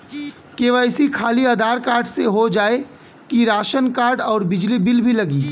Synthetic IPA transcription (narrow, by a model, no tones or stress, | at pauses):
keːʋəɪsikʰaːliɐd̪ʱaːɾkaːɾɖseɦod͡ʒaːe | kiɾaːʃənkaːɾɖɔːɾbɪd͡ʒlibɪlbʱilɐɡiː